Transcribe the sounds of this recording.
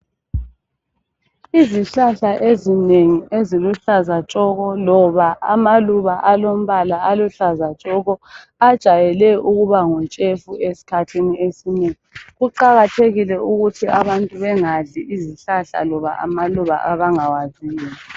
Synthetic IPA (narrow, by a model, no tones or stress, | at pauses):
iziɬaɬaʔezineŋieziluɬazat͡ʃʼɔɣɔlɔβaamaluβaʔalom̩βalaaluɬazat͡ʃʼɔɣɔ | ad̥ʒ̥ʱajɛlɛuɣuβaŋɔnt͡ʃʼefuesi̥kʰatʰiniesineŋiɣuǃaɣatʰeɣilɛuɣutʰiʔaβantʼuβɛŋaɮiʔiziɬaɬa̰lɔβa̰ʔa̰maluβa̰ʔaβaŋawaziːja